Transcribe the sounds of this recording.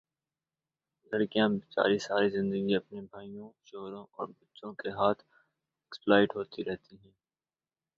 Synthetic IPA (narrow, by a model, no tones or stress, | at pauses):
lɐɾkijãbɪt͡ʃa̰ːɾisaːɾizɪ̃nd̪əɡiɐpnibʱaːijõʃoːɾõʔɔːɾbɐtːʃõkeɦaːt̪ʰ | ɛksplaːɪʈɦoːt̪iɾɛɦt̪iɦɛ̃ː